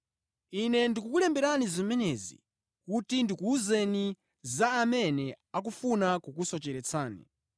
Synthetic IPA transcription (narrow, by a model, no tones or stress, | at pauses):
inɛndikukulɛmbɛɾanizimɛnɛzḭ | kutindikuuzeni | zaːmɛnɛ | ak̬ufunakukusɔt͡ʃɛɾɛt͡sʰaːnḭ